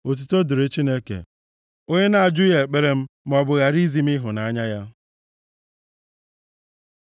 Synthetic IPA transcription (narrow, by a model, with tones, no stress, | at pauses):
o˨t̬u˨to˦du˨ɾe˦t͡ʃi˦ne˦kḛ˨ | o˦ɲe˦na˦a˨d͡ʒʊ˦je˨e˨k͡pe˦ɾe˦m̩˦m˦ɔ˨bʊ˨ɣa˨ɾi˦zi˦m˦i˦ɦʊ˨na˨a˦ɲa˦ja˦